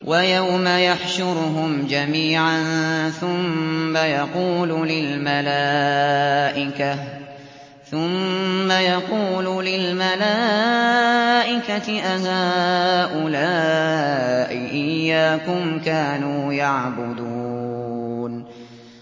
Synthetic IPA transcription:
wʔajawmajaħʃʊɾɦʊmd͡ʒamiːʕanθʊmːajɑquːlʊlɪlmalaː | ʔɪka | θʊmːajɑquːlʊlɪlmalaː | ʔɪkat̪ɪʔaɦaːʔʊlaː | ʔɪʔɪjːaːkʊmkaːnuːjaʕbʊd̪uː | n

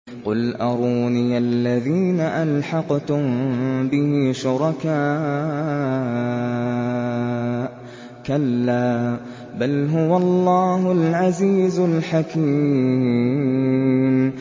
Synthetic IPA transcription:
qʊlʔɑɾˤuːniːʔalːaðiːnaʔalħɑqt̪ʊmbɪhɪʃʊɾˤɑkaː | kalːaː | balɦʊwalˤːɑːɦʊlʕaziːzʊlħakiː | m

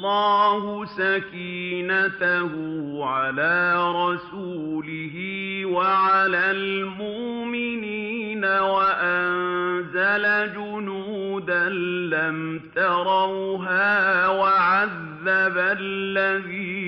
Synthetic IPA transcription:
lːɑːhʊsakiːnat̪ahʊʕalaːɾˤɑsuːlɪhɪwaʕalaːlmʊʔmɪniːnawaʔannzalad͡ʒʊnuːd̪anːamt̪ɑɾˤɑwɦaːwaʕaðːabalːaðiː

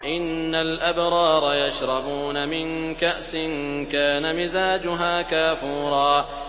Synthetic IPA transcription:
ʔɪnːalʔabɾˤɑːɾˤɑjaʃɾˤɑbuːnamɪnkaʔsɪnkaːnamɪzaːd͡ʒʊɦaːkaːfuːɾˤɑː

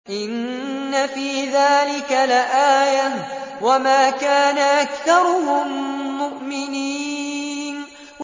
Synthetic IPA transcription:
ʔɪnːafiːðaːlɪkalɪʔaːja | wamaːkaːnaʔakθɑɾˤʊhʊmːʊʔmɪniːn

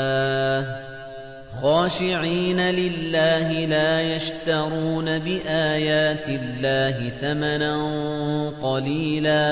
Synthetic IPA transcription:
xaːʃɪʕiːnalɪlːaːɦɪlaːjaʃt̪ɑɾˤuːnabɪʔaːjaːt̪ɪlːaːɦɪθamananqɑliːlaː

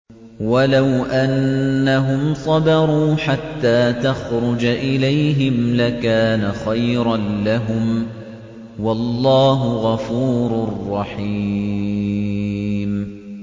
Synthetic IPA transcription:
walawʔanːaɦʊmsˤɑbɑɾˤuːħat̪ːaːt̪axɾʊd͡ʒʔɪlajɦɪmlakaːnaxajɾɑnlaɦʊm | wɑlːɑːɦʊɣɑfuːɾʊrˤːɑħiː | m

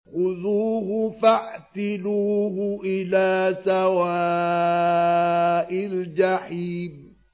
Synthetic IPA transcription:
xʊðuːɦʊfaʕt̪ɪluːɦʊʔɪlaːsawaː | ʔɪld͡ʒaħiːb

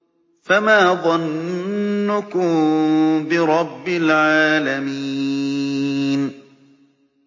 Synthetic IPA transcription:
famaːðˤɑnː | ʊkʊmbɪɾˤɑbːɪlʕaːlamiː | n

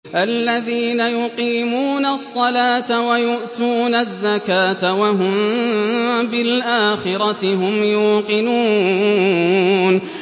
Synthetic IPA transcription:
ʔalːaðiːnajʊqiːmuːnasˤːɑlaːt̪awajʊʔt̪uːnazːakaːt̪awaɦʊm | bɪlʔaːxɪɾˤɑt̪ɪɦʊmjuːqɪnuː | n

